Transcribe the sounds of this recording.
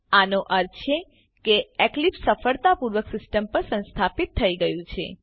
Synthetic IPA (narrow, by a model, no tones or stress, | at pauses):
anoʔəɾt͡ʃʰe | keeklipsəfəɭt̪apuɾʋəksɪsʈəmpəɾsə̃nst̪ʰapit̪ʰːəiɡəjũt͡ʃʰḛ